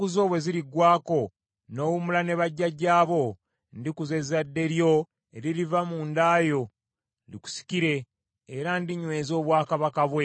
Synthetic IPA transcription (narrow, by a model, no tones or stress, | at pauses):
kuzo̞ːβwe̞ziɾiɡwaːko̞ | no̞ːwumulane̞βaɟːaɟːaːβo̞ | ndikuze̞zadːe̞ɾjo̞ | eɾiɾivamuːndaːjo̞ | liku̥si̥ciɾe̞ː | ɾandiɲwe̞ːzo̞ːβwaːkaβakaβwe